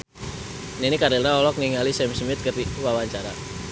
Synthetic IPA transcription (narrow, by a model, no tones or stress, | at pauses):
ninikaɾilnaɔlɔk̚niŋalisɛmsmɪt̪̚kərt̪iwawaɲt͡ʃaɾa